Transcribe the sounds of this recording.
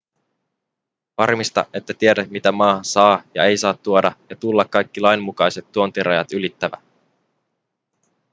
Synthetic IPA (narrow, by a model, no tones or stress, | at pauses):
ʋɑrmist̪ɑ̰ʔe̞t̪ːæt̪ieɾæt̪mit̪æmɑːsɑːjɑ̰e̞jsɑːt̪ːuodɑjɑt̪ulːɑkːɑjkːilɑjmːukɑjse̞t̪ːuont̪iɾʔɑjɑ̰t̪ylit̪ːæʋæ̰